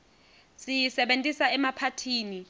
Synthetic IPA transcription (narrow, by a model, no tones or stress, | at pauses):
sijisɛɓentʼisaɛmapʰatʰiːni